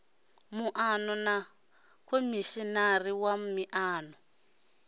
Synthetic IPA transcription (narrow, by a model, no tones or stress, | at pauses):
muʔanɔna | kʰomiʃinariwamiʔaːnɔ